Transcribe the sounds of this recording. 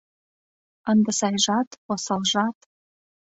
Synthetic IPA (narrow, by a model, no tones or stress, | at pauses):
ənd̪ə̆sɑjʒɑt̪osɑlʒɑt̪